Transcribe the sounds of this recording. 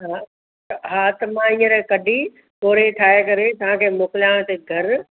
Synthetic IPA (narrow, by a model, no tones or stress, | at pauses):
ɦa | ɦaːt̪ɐmãĩːə̃ɾẽkɐɖʱi | poːɾeʈʰaːekɐɾẽt̪ɐʋ̤ãkʰeːmoːkɪljãːseɡʱɐɾ